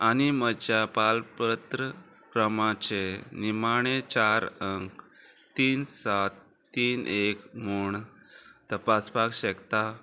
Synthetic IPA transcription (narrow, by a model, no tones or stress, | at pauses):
añiməd͡ʑjapalpət̪ɾə | kɾəmat͡ɕenimaɽ̃et͡ɕaɾəŋk | t̪iːnsat̪ː | iːnʔekmuɳ | t̪əpaspakɕəkt̪a